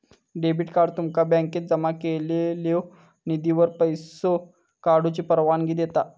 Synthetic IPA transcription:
ɖebiʈkaɖt̪umkabɛ̃ŋkeːt̪̚d͡zəmakelele | nid̪iʋəɾpəjso | kaɽut͡ɕipəɾʋanɡiːd̪et̪a

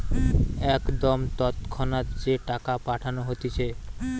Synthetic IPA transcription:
ɛkd̪omt̪ɔt̪kʰɔnat̪d͡ʑeʈakapaʈʰanoɦot̪it͡ɕʰe

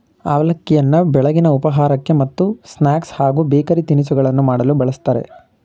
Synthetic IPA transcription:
aːʋɐlɐkːijɐnːɐbɛɭɐɡinɐupɐɦaːɾɐkːe̞mɐt̪ːusnaːkshaːɡuːbeːkɐɾit̪inisuɡɐɭɐnːumaːɽɐlubɐɭɐst̪aːɾe̞̰

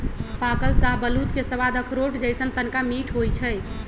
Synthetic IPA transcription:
pakəlsaɦbəlut̪kesəβad̪əkʰɾoʈd͡ʒəjsənt̪ənkamiʈʰɦojt͡ʃʰəj

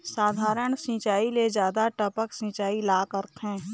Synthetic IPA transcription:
saːd̪ʱaːɾəɳ̃sĩːt͡ʃaːiled͡ʒjaːd̪aʈəpəksĩːt͡ʃaːilaːkəɾt̪ʰɦɛ̃ː

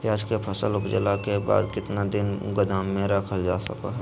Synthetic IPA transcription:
jaːd͡ʒkepʰəsəlʊpd͡ʒəlakeba̰ːd̪kɪt̪nad̪ɪnɡəd̪aːmːẽɾəkʰəld͡ʒaːsɐka̰ɦɛ

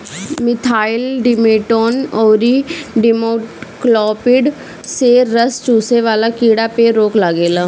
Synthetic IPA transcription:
mɪt̪ʰaːɪlɖɪmeːʈoːnɔːɾiɖɪmoːʈklɔːpɪɖ | seɾəst͡ʃuːseʋaːlakiːɽapeɾoːklaɡeːlaː

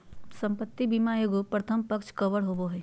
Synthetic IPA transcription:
sə̃mpət̪ːibimaeɡopɾət̪ʰəmpəkt͡ʃʰkɐʋəɽɦoboɦɛː

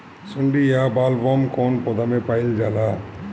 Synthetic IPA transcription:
sʊɳɖijaːbaːlʋɔːmkoːnpod̪ɐmepajld͡ʒaːlaː

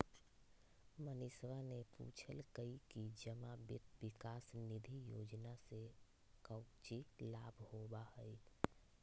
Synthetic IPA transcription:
mənɪswanepṵːt͡ʃʰəlkəikid͡ʒəmabɪ̰t̪̚wɪkaːsnɪd̪ʱijoːd͡ʒnase | kəʊt͡ʃilaːbʱhobahəi

